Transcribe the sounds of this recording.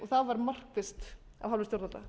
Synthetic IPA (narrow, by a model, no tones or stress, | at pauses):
ɔθavaɾmar̥kfɪst̪ | a̰vɦavlɪsjowɾt̪alt̪a̰